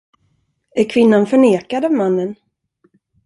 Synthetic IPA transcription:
æɾkʰvɪnːanfœɳeːkad̪avmanːən

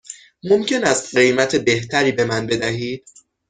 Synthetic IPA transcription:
momcʰe̞næst̪̚ɢejmæt̪ʰebe̞ht̪ʰæɾiːbe̞mænbe̞d̪æɦiːd̪̥

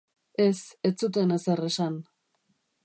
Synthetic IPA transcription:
e̞se̞t͡sut̪̬e̞neseresan

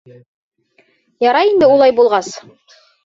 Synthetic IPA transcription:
jɑɾɑjind̪ɘulˠɑjbulˠʁɑs

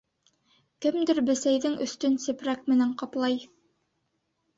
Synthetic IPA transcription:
kɘmd̪ɘɾbɘ̆sæjðɘŋɵ̆st̪ɵnsɘ̆pɾæk̚mɘ̆næɴqɑplˠɑj

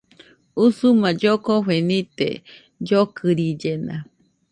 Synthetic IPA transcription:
usumãd͡ʒokoɸenit̪ḛ | d͡ʒokʰɨɾid͡ʒenã̰

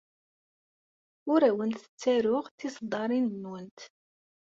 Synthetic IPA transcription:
ʊɾæwənt̪ə̥t͡sːæɾʊʁθisˤd̪ˤɑɾˤinnːwənt̪

